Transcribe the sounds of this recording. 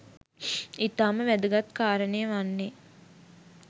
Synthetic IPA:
it̪aːməʋæd̪əɡat̪kaːɾənejəʋanːe

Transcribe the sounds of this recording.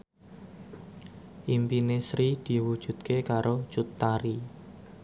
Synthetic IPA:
ʔimpinesɾid̪̥i̤wud̥ʒ̥ṳd̪̚kʰekaɾʔo̥t͡ʃut̪ːaɾi

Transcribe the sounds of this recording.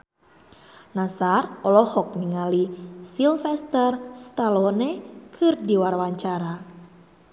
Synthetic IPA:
nasarɔlɔhɔk̚niŋalisilfɛst̪ərst̪alɔnekʰɨrdiwarwaɲt͡ʃaɾa

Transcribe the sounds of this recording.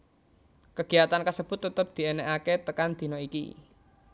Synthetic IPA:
kəɡ̥i̤at̪ankəsəb̥ʊt̪ːət̪əp̚d̪̥i̤enɛʔaket̪əkand̪̥i̤nɔikḭ

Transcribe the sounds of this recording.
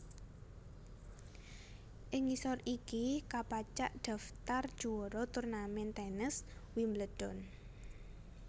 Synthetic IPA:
ʔɪŋisɔrikikapat͡ʃaʔd̪̥a̤ft̪ard̥ʒ̥uwɔɾɔt̪ʊrnamɛnt̪ɛnɪswimləɖ̥ɔn

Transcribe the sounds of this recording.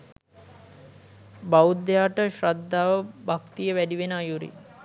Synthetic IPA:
baud̪ːejaːʈəʃɾad̪ːaːʋəbakt̪ijəʋæɖiʋenəajuɾḭ

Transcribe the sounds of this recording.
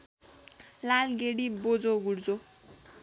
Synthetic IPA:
lalɡeɽibod͡zoɡuɽd͡zo

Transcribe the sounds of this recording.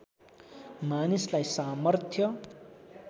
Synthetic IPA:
manislajsamʌrt̪ʰjʌ

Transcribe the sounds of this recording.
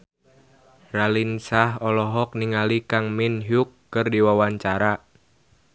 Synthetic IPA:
ralinsaɦɔlɔɦɔk̚niŋalikaŋminɦukːɨrdiwawaɲt͡ʃaɾa

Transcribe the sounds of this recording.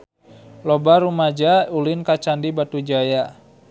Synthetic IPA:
lɔbaɾumad͡ʒaulɪnkat͡ʃandibat̪ud͡ʒaja

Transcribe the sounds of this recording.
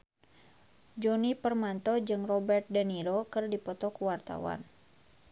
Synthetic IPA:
d͡ʒɔnipərmant̪ɔd͡ʒɨŋrɔbɛrt̪̚dəniɾokɨrdipɔt̪ɔkuwart̪a̰wa̰n

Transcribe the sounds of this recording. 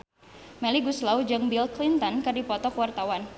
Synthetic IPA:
mɛliɡuslawd͡ʒɨŋbilklint̪ɔnkɨrdipɔt̪ɔkwart̪awan

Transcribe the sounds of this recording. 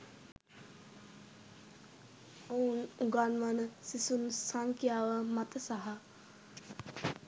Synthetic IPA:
ounuɡanʋanəsisunsaŋkjaːʋəmat̪əsaɦa

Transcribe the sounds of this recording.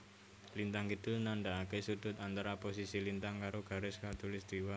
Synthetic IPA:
lint̪aŋkid̪̥ɪlnaɳɖaakesud̪̥ʊ̤t̪ant̪aɾapos̬isilint̪aŋkaɾoɡ̥a̤ɾɪskat̪ulɪsd̪̥iwa

